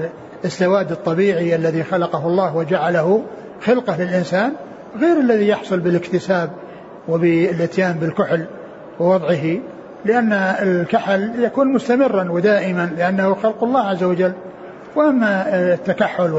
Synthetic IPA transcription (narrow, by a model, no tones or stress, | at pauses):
ɪsːawaːd̪ɨt̪ˤːɑbiːʕiʔalːaðixalɑqɑɦʊlˤːɑːhwɪd͡ʒaʕalahʊ | xɪlqɑhlɪlʔɪnsaːn | ɣeːɾalːaðijɑħsˤʊlbɪlɪkt̪ɪsaːb̚ | wɪbɪlʔɪt̪jaːmbɪlkʊħl | wɪwɑðˤʕɪɦi | lɪʔanːaɪkaħaljakuːnmʊst̪amɪrːanwɪd̪aːʔɪmanlɪʔanːahʊxɑlqʊlˤːɑːhʕazːawad͡ʒalː | wʔamːat̪ːakaħːʊl